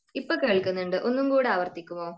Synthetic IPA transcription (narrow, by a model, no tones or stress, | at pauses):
ipːokeːɭkunːuɳɖɨʔo̞nːumkuːɽeaːʋɐrt̪ikʲːumoː